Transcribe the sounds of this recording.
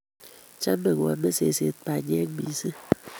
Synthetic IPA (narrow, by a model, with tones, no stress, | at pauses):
t͡ʃa˦m˦be˨ŋ˨wɔ̰˨˦be˦se˨se˨˦tpa˨ɲe˦ŋ˦mḭ˨˦sɨ˦